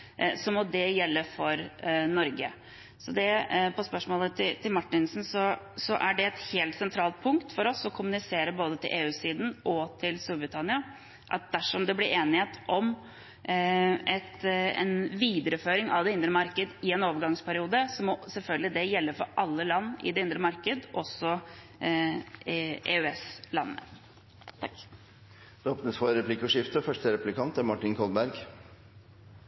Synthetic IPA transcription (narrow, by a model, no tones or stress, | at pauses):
sɔmɔd̪ɛjɛlːəfɔɾnɔɾɡə | sɔd̪ɛpʰɔspœʂmoːlət̪ʰɪt̪ʰɪlmɑʈːɪnsn̩sɔ | sɔʔæɖɛɛt̪heːlt̪sɛnt̪ʰɾɑːlt̪̚pʰʊŋkt̪fɔɾɔsɔkʰʊmʉnɪseːɾəboːd̪ət̪ʰɪ̰lʔeːʉːsiːd̪n̩ʔɔt̪ʰɪlst̪uːɾbɾɪt̪ʰɑnɪɑ | ʔɑ̰t̪̚d̪æʂɔmd̪ɛblɪɾeːnɪheːt̪ʰʔɔm | ʔɛt̪ɛ̰nʋiːd̪əɾəføːɾɪŋɑ̰ʋd̪ɛɪnd̪ɾəmɑɾkəd̪ɪɛnoːʋəɾɡɑŋspʰæɾɪuːd̪əsɔmːɔsɛlfœlɡəlɪd̪ɛjɛlːəɾfɔɾʔɑlːəlɑnːɪ̰d̪ɛɪnd̪ɾəmɑɾkəd̪ʔɔsɔ | ʔḛʉɛslɑ̰nːə̰ | t̪ʰɑk | d̪̥ɛoːpnəsfɔɾɛpʰlɪkːəʂɪft̪əfœʂʈəɾɛplɪkʰɑnt̪æɾmɑʈːɪnkʰɔlbæɾɡ